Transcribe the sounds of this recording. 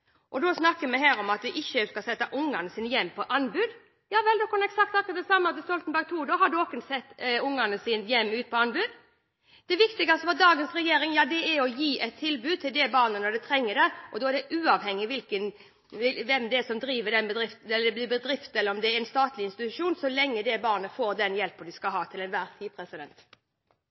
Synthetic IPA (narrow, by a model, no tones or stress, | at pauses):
ʔɔd̪osnɑkːəmɛɦæːɾɔmɑt̪ʋɪʔɪçːəskɑsɛt̪ːɑʔʊŋːɑnəsiːnəjɛmːpʰɔʔɑnːbʉːd̪ | jɑːʋɛld̪oːkʰɑnɛksɑk̚t̪ɑkːəd̪ɛsɑmːəɑt̪̚d̪ɛst̪ɔlt̪n̩bæɡ̚t̪ʰuːd̪oːɦɑɖʉoːkənsɛt̪ːʊŋːɑnəsɪːnjɛmːʉːt̪̚pʰɔɑnbʉːd̪ | d̪̥ɛʋɪkt̪ɪɡɑst̪ʋɔd̪ɑːɡənsɾɛjeːɾɪŋjɑːd̪ɛɛɾɔjiːʔɛt̪ʰːɪlbʉːd̪̚t̪ʰɪld̪ɛbɑːɾnənɔɖ̪ɛt̪ʰɾɛŋːəɖɛʔɔd̪oːɛɖ̪ɛʔʉːɑʋhɛŋːɪʋɪlkən | ʋɛmd̪ɛæsɔmd̪ɾiːʋəɖ̪ɛnbəd̪ɾɪft̪ɛlːəd̪ɛb̪ɪbəd̪ɾɪft̪ɛlːəɾɔmd̪ɛɾɪnst̪ɑːt̪lɪɪnst̪ɪt̪ʉʂuːnsɔlɛŋːəd̪ɛbɑːʁnəfoːɾd̪ɛnjɛlpəd̪ɪskɑɦɑːt̪ʰɪlɛnʋæːɾt̪ʰiːpʰɾɛsɪd̪ɛnt̪